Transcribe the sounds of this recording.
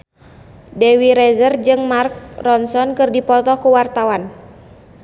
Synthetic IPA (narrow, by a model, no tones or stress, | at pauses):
dɛwiɾɛzərd͡ʒɨŋmark̚rɔnsɔnkɨrdipɔt̪ɔkuwart̪awan